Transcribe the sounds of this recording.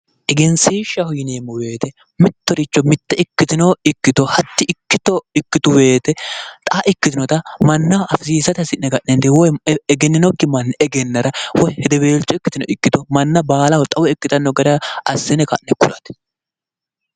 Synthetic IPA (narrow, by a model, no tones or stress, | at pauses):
ʔɛɡɛnsiːʃːɐhʊjɪneːmːʊwe̞ːt̪ɛ | mɪt̪ːɔɾɪt͡ʃːɔmɪt̪ːɛɪkːɪt̪ɪnoɪkːɪt̪ɔhɐt̪ːɪʔɪkːɪt̪ɔɪkːɪt̪ʊwe̞ːt̪ɛt̪ʼɐaʔɪkːɪt̪ɪnɔt̪ɐmɐnːɐɐfɪsiːsɐt̪ɐsɪnnɛkɐʔnɛnd̪ɛwɔjɛɡɛnːɪnɔkːɪmɐnːɛɛɡɛnːɐɾɐwɔjhɛd̪ɛbeːlt͡ʃːɔɪkːɪt̪ɪnɔ̰ʔɪkːɪt̪ɔmɐnːɐbaːlɐhɔt̪ʼɐwɔɪkːɪt̪ɐnːɔɡɐd̪ɐʔɐsːɛnɛkɐ̰ʔnːɛkʊɾɐt̪